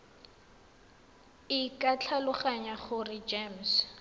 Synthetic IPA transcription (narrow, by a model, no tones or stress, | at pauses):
ɪkat͡ɬʰalʊχaɲaχʊrɪd͡ʒems